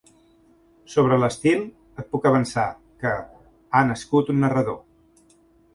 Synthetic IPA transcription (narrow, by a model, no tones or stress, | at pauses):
soβ̞ɾələst̪ilˠ | ət̪̚pukəβ̞ənsa | kə | anəskut̪unːərəðo